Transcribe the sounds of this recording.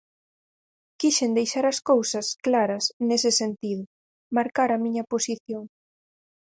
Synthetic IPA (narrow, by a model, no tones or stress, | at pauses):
kiʃend̪ejʃaɾɐskowsɐsklaɾɐsnesɪsent̪iðʊ | maɾkaɾɐmĩɲɐposiθjoŋ